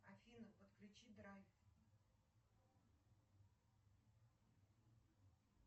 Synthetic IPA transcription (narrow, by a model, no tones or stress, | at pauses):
ɐfʲinɨpət̪klʲʉt͡ɕid̪ɾajf